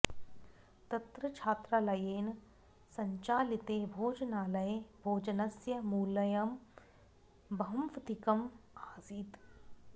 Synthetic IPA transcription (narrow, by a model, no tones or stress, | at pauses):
t̪ɐt̪ɾɐt͡ʃʰaːt̪ɾalɐjeːn | sɐɲt͡ʃaːlit̪eːbʱoːd͡ʒnaːlɐjebʱoːd͡ʒɐnɐsjɐmuːlɐjɐm | bɐɦɐmʋt̪ikɐmaːziːt̪